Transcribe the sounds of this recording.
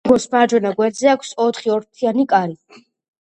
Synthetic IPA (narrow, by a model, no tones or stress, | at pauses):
ɡɔsmaɾd͡ʒwɛnaɡwɛɾd̪zɛakʷʰsɔt̪χiɔɾt̪ʰianikʼaɾi